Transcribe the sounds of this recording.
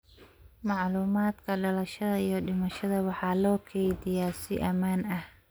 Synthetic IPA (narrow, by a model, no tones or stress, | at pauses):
mɑʕluːmaːd̪kʰɐɖɐlɐʃɐðɐijɞɖɪmɐʃɐðɐwɑħɑːlɔːkʰɛjðɪjaːsɪ̰ʔɐmaːnɐh